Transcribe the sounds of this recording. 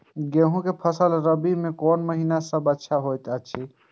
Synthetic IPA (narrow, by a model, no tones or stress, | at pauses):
ɡeɦũkepʰəsəlɾəbimekɔnməɦinasəbətːʃʰaɦojt̪ət͡ʃʰi